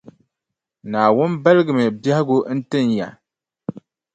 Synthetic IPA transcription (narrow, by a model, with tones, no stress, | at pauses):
naː˨wʊ˦nba˦lɨ˦ɡɨ˨mɨ˨bja˦hɪ˦ɡʊ˦n̩˦tɨ˦nja̰˨